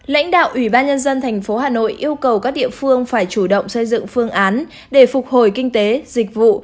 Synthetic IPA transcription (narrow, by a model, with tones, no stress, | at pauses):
la̰˧˥jŋ̟ɗa̰ː˧˨wʔwi˧˩ɓaː˧nɲə˧nzə˧nt̪ʰɛ˨˩ŋ̟fo˨˦ɦaː˨˩no̰˧˨jʔi˧əwkə˨˩wkaː˦˥k̚ɗḭ˧˨əfɨ˧əŋfaː˧˩jt͡ɕu˧˩ɗə̰˧˨wŋ͡msə˧jzɨ̰˧˨ŋfɨ˧əŋʔaː˨˦n | ɗe˧˩fʊ˨˩k͡p̚ho˨˧˩jkï˧ŋ̟t̪e˨˦zi˨˩k̟̚vṵ˧˨